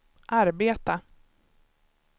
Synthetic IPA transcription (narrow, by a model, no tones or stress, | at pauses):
ʔaɾbeːt̪a